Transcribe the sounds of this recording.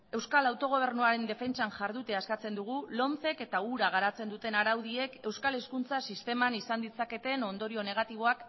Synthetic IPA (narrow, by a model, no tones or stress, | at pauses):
e̞wskalawt̪o̞ɣ̞o̞β̞e̞ɾnuaɾe̞nd̪e̞fe̞nt͡ʃanʝaɾðut̪e̞askat͡se̞nd̪uɣ̞ulo̞nθe̞ke̞t̪auɾaɣ̞aɾat͡se̞nd̪ut̪e̞naɾawð̞ie̞ke̞wskale̞skunt͡sasist̪e̞manisand̪it͡sake̞t̪e̞no̞nd̪o̞ɾio̞ne̞ɣ̞at̪iβ̞o̞ak